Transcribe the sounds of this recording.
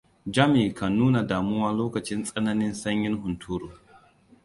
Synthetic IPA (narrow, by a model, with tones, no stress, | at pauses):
d͡ʒɐ˦miː˨kɐ˨nːuː˦na˨daː˨mʊ˦waː˦loː˦kɐ˨t͡ʃɪ˦nsʼɐ˦nɐ˦nɪ˦nsɐ˦ɲjɪ˦nɦʊ˨ntʰuː˦ɾoː˨